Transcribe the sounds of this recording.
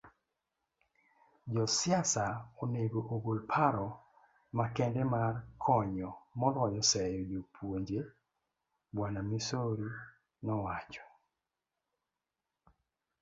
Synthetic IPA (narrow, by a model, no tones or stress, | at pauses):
d͡ʒɔsɪasaoneɡoʔoɡolpʰaɾɔ | makɛndɛmarkʰɔɲɔmɔlɔjɔsɛjɔd͡ʒopʰwoɲd͡ʒe | bwanamisoɾi | nɔwat͡ʃɔ̥